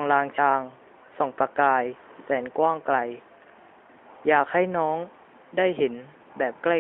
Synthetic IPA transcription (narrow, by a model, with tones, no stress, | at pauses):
ŋlaː˧ŋt͡ɕʰaː˧ŋ | sɔ˨˩˦ŋpɾa˧kaː˧j | sɛː˩˦nkwaː˥˩ŋkla˧j | jaː˨˩k̚ha˥˩jnɔː˦˥ŋ | daː˥˩jhe˩˦n | bɛː˨˩p̚kla˥˩